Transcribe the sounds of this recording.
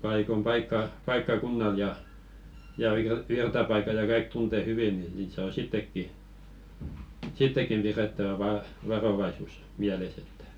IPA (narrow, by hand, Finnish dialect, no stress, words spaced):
pɑikom pɑikːɑ pɑikːɑkunːɑl jɑ jɑ ʋir ʋirtɑpɑikɑ jɑ kɑik tunte hyʋi ni niːt sɑː sitːekːi sitːekːim piretːæʋæ ʋɑ ʋɑroʋɑisus miæles etːæ̥